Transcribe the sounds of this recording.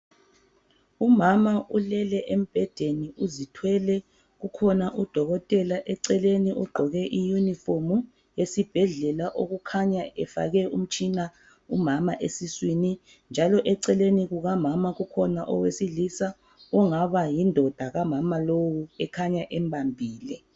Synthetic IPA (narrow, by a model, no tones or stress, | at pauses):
umamaʔulɛlɛʔem̩b̥ʱɛd̥ʱeniuzitʰwɛlɛ | ɣukʰɔnaʔud̥ʱɔɣɔtʼɛlaʔɛǀɛleniʔuɡ͡ǃʱɔɣɛʔijunifomu | jesib̥ʱɛɮɛlaʔoɣukʰaɲaɛfa̰ɣɛʔum̩t͡ʃʰʼina | umamaʔesiswini | nd͡ʒʱalɔʔɛǀɛleniɣuɣamamaɣukʰɔnaʔɔwesilisa | ɔŋaβajindʱɔd̥ʱaɣamamalowuɛkʰaɲaʔɛmbʱambʱiːlɛ